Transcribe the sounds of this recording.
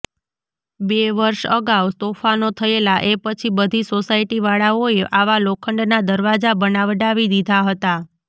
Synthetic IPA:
beʋəɾʃə̰ɡaʋt̪ofanot̪ʰəelaʔepət͡ʃʰibəd̪ʱisosaiʈiʋaɭaoeʔaʋalokʰəɳɖnad̪əɾʋad͡ʒabənaʋɖaʋid̪id̪ʱaɦət̪a

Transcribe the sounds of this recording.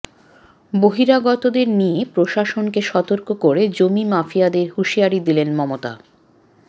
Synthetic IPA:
boɦiɾaɡɔt̪od̪eɾnijepɾoʃaʃonkeʃɔt̪oɾkokoɾed͡ʑomimafijad̪eɾhuʃiaɾid̪ilenmɔmot̪a̰

